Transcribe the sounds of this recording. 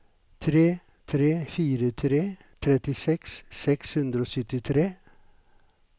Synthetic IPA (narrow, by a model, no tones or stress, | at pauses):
t̪ʰɾeː | t̪ʰɾeːfiːɾət̪ʰɾeː | t̪ʰɾɛt̪ɪsɛkssɛkshʉnd̪ɾəoːsœt̪ɪt̪ʰɾeː